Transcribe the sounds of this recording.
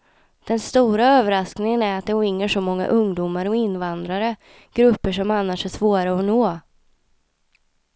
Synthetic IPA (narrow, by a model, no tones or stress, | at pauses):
d̪̥ɛnst̪uːɾaøːvəɾasknɪŋənæɾat̪d̪ɛɔɪŋːəʂɔmɔŋːa̰ʔɵŋd̪uːmaɾəɔɪnːvand̪ɾaɾə | ɡ̥ɾɵpːəʂɔmanːaʂæʂvoːɾaɔnoː